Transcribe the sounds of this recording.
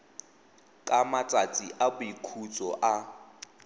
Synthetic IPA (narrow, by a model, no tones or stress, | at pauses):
kʼamat͡sʼat͡sʼiʔabʊikʰut͡sʼɔʔa